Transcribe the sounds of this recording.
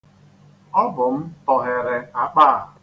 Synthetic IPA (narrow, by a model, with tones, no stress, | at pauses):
ɔ˦bʊ˨m̩˦tɔ˨ɦɪ˨ɾɪ˨a˨k͡paː˦˨